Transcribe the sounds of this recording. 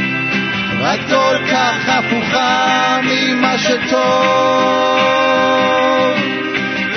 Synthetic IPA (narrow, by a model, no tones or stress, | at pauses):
ɾatokaχafuχamimaʃɛt̪ʰo | v